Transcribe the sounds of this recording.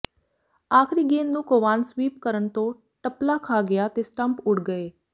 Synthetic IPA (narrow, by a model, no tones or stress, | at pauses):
aːkʰɾiːɡeːnnũːkoːʋaːnswiːp̚kəɾənt̪õː | ʈəplaːkʰaːɡɪjaːt̪eːsʈə̃mpʊʈɡəeː